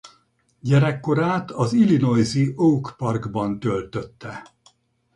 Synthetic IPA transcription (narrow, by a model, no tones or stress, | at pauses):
ɟɛɾɛkːo̞ɾaːt̪ɒzilino̞jziʔoukpɒrɡbɒnt̪ølt̪øt̪ːɛ